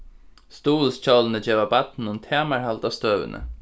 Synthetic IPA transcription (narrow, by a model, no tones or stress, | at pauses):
st̪uːlst͡ɕɔwlənəd͡ʒeːʋabat̪nʊmt̪ʰaːmaɹhalt̪ast̪øːʋɪ̰nʔə̰